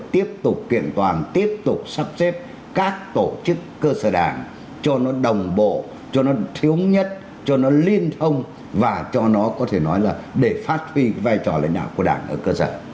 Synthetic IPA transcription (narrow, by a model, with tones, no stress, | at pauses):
t̪i˦˥əp̚t̪ʊ˨˩k͡p̚kḭ˧˨ənt̪waː˨˩nt̪i˦˥əp̚t̪ʊ˨˩k͡p̚sa˦˥p̚sɛ˦˥p̚ | kaː˦˥k̚t̪o˧˩t͡ɕɨ˦˥kːəː˧səː˧˩ɗaː˧˩n | t͡ɕɔ˧nɔ˨˦ɗə˨˩wŋ͡mɓo̰˧˨ | t͡ɕɔ˧nɔ˨˦t̪ʰi˨˦əwɲə˦˥t̚ | t͡ɕɔ˧nɔ˨˦li˧ənt̪ʰə˧wŋ͡m | vaː˨˩t͡ɕɔ˧nɔ˨˦kɔ˨˦t̪ʰe˧˩nɔ˨˦jlaː˨˩ɗe˧˩faː˦˥t̚hwi˧vaː˧jt͡ɕɔ˨˩la̰˧˥ŋ̟ɗa̰ː˧˨wku˧˩əɗaː˧˩ŋʔəː˧˩kəː˧sə̰ː˧˩